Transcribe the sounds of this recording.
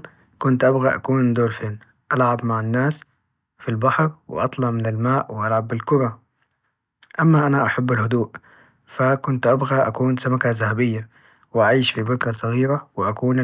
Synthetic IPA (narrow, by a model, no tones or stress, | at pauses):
kʊnt̪ʔabɣaʔa̰kuːnɪnd̪oːlfeːn | ʔalʕabmaʕanːaːs | filbɑħɾwɪ̰ʔɑt̪ˤlɑʕmɪnalmaːʔwɪʔalʕabːɪlkʊɾˤɑ | ʔamːaʔanaʔaħabːalhʊd̪uːʔ | fakʊnt̪ʔabɣaʔa̰kuːnsamakazahabɪjːa | wɪʔaʕiːʃfibɪkɾɑsˤːɑɣiːɾawɪʔakuːn